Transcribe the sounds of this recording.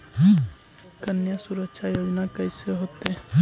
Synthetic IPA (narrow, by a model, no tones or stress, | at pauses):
kənjasuɾəkʃʰajoːd͡ʒnakəjseɦot̪e